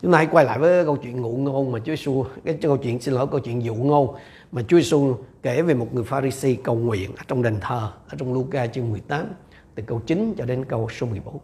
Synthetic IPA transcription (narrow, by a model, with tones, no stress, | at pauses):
t͡ɕʊ˦ŋ͡mt̪aː˧ha˨˦jkwa˧jla̰ː˧˨jvəː˨˦a˨˦kə˧wt͡ɕwi˧˨ənŋṵ˧˩ŋo˧nmaː˨˩t͡ɕu˨˦˧su˧kaː˨˦jkə˧wt͡ɕwḭ˧˨ənsi˧nlːkə˧wt͡ɕwḭ˧˨ənzṵ˧˩ŋo˧n | maː˨˩t͡ɕu˨˦˧su˧ke˧˩ve˨˩mo˨˩t̚ŋɨ˨˩əjfaː˧ɾi˧si˧kə˨˩wŋwḭ˧˨ənʔəː˧˩˦t͡ɕɔ˧wŋ͡mɗa˨˩ŋ̟t̪ʰəː˨˩ʔəː˧˩˦t͡ɕɔ˧wŋ͡mlu˧kaː˧t͡ɕɨ˧nmɨ˨˩əjt̪aː˨˦m | t̪ɨ˨˩kə˧wt͡ɕi˨˦nt͡ɕɔ˧ɗe˨˦nkə˧wso˨˦mɨ˨˩əjɓo˨˦n